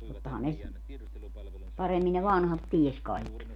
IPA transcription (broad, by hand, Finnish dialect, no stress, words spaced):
totːɑhɑn ne pɑremːin ne ʋɑnhɑt ties kɑikːi